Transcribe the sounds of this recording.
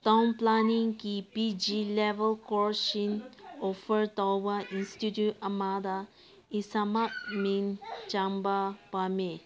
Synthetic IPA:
t̪ãʊnplanĩŋkipid͡ʒilɛʋəlkɔʃĩnofəɾt̪awaʔĩnstitjutamad̪a | isamaʔ̚mĩnt͡ʃãmbapame

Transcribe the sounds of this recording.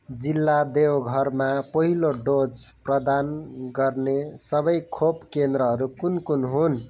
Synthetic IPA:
d͡zilːad̪ewɡʱʌrmapʌɦiloɖod͡zprʌd̪anɡʌrnesʌbʌjkʰopkend̪ɾʌɦʌɾukunkunɦun

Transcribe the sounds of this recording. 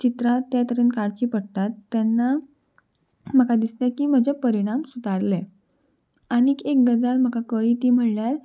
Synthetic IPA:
t͡ɕit̪ɾat̪ːjat̪əɾenkaɽt͡ɕiːpəɽt̪at̪ːɛnːa | m̤əkad̪islɛ̃kiːm̤əd͡ʑepəɾiɽ̃amsut̪aɽlɛ | añikek̚ɡəd͡zalm̤əkakəɭiːt̪iːm̤əɽljaɾ

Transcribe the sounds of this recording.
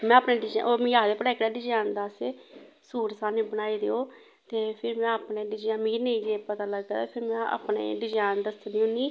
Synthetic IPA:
mɛ̃ːaːpneːɖɪd͡ʒa̰ʔoːmĩjaːd̪eːpəɽɛːkːɽaːɖɪd͡ʒaːnd̪aːse | suːɾsaːnẽːbənaːid̪eːoː | t̪eːpʰɪɾmɛ̃ːəːpneːɖɪd͡ʒaːmiːnəĩːd͡ʒeːpət̪aːləɡːaːt̪apʰɪɾmɛ̃ːa̰ːpnḛːɖɪd͡ʒaːnd̪əsnĩːũniː

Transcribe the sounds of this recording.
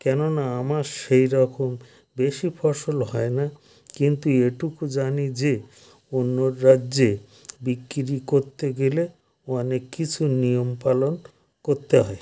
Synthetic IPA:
kɛnonaamaɾʃejɾɔkom | beʃipʰɔɾʃolɦɔena | kint̪ueʈukud͡ʑanid͡ʑe | onːoɾːade | bikːɾikoɾt̪eɡele | ɔnekːit͡ɕʰunijompalon | koɾt̪eɦɔe

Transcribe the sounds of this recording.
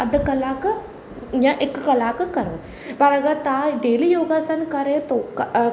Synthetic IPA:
ɐd̪kɐlaːkɨ | jãʔekːkɐlaːkɨkɐɾo | pɐɾɐɡɐt̪aɖ̪eːlijoːɡaːsɐnkɐɾeːt̪ok

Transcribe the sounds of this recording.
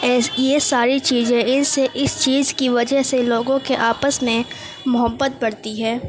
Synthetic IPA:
ɛjesaːɾit͡ʃiːzẽɪnseʔɪst͡ʃiːzkiʋɐd͡ʒəɦseloːɡõkeʔaːpəsmẽ | mʊɦəbːət̪̚bɐɽt̪iɦɛː

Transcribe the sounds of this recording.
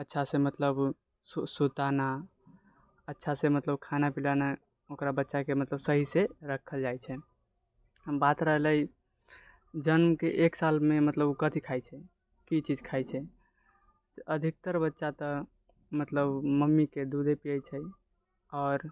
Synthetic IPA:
ətːʃʰasemət̪ləb | ssut̪ana | ətːʃʰasemət̪ləbkʰanapilana | okɾabətːʃakemət̪ləbsəɦiseɾəkʰːəld͡ʒajt͡ʃʰɛ | bat̪ɾəɦləj | d͡ʒənmkeʔeksalmemət̪ləbkət̪ʰikʰajt͡ʃʰɛ | kit͡ʃid͡ʒkʰajt͡ʃʰɛ | əd̪ʱik̚t̪əɾbətːʃat̪ə | mət̪ləbməmːiked̪ud̪ʱepijəjt͡ʃʰɛ | ɔːɾ

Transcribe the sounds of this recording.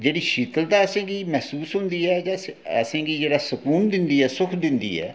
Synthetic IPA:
d͡ʒeːɽiːʃit̪əlt̪aːəsẽːɡiːmɛːsuːsɦʊnd̪iːɦɛːd͡ʒãə̰sẽːɡiːd͡ʒeːɽaːsəkuːnd̪ɪnd̪iːɦɛːsʊkʰd̪ɪnd̪ḭːɛ̰ː

